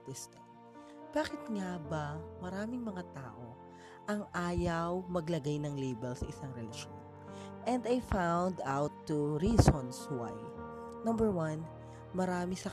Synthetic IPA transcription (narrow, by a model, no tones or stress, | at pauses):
t̪ɛst̪ɛ | b̥aːkɪt̪ŋabɐmɐɾaːmɪŋmɐŋat̪a̰ːʔo | ʔɐŋʔaːjɐwmɐɡlɐɡajnɐŋlejbɛlsɐʔɪsaŋɾɛlɐʃo̰n | ʔɛ̃nd̪ajfawnd̪awt̪ːuɹisõnswa̰j | nɐmbɛɹwɐn | mɐɾaːmɪsɐ